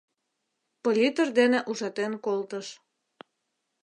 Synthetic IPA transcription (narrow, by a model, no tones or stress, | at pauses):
polʲit̪ərd̪enĕʔuʒɑt̪enkolt̪əʃ